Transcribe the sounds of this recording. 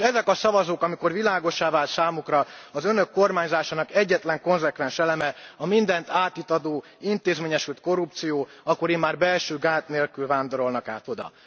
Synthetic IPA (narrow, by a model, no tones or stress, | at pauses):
ʃɛzɛkɒsɒvɒzoːkɒmiko̞rvilaːɡo̞ʃaːvaːlt̪saːmukrɒɒzø̞nø̞kːo̞rmaːɲzaːʃaːnɒkɛɟːɛt̪lɛŋko̞nzɛkʋɛnʃɛlɛmɛɒmind̪ɛnt̪aːt̪it̪ɒd̪oː | int̪eːzmeːɲɛʃylt̪̚ko̞rup̚t̪sijoː | ɒkːo̞ɾeːmːaːrbɛlʃøːɡaːt̪neːlkylvaːnd̪o̞ɾo̞lnɒkaːt̪o̞d̪ɒ̰